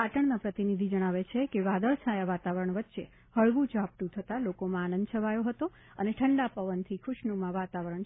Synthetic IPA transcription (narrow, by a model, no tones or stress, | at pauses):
paʈəɳnãpɾət̪inid̪ʱid͡ʒəɽ̃aʋet͡ʃʰekeʋad̪əɭt͡ʃʰajaʋat̪aʋəɾəɳʋətːʃe | həɭʋũd͡ʒap̚ʈ̪ũt̪ʰət̪alokomãaːnə̃nd̪t͡ʃʰəʋajoɦət̪o | əneʈʰəɳɖapəʋənt̪ʰikʰʊʃnumãʋat̪aʋəɾəɳ